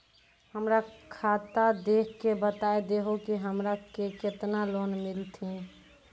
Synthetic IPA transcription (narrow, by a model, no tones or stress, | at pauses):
həmɾakʰat̪ad̪ekʰkebət̪aed̪eɦokiɦəmɾakeket̪nalonmilt̪ʰĩ